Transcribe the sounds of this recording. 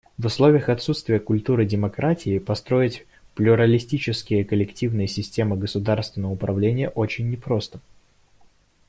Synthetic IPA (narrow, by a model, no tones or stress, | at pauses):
vʊslˠo̞vʲɪjəxɐt̪sut̪st̪vʲɪjəkʊlʲt̪uɾɨdʲɪmɐkɾatʲɪɪpɐst̪ɾo̞ɪtʲ | plʲʊɾəlʲɪsʲtʲit͡ɕɪskʲɪjəkəlʲɪktʲivnɨjəsʲɪsʲtʲe̞mɨɡəsʊd̪arst̪vʲɪnːəvəʊpɾɐvlʲenʲɪjəʔo̞t͡ɕɪnʲːɪpɾo̞st̪ə̥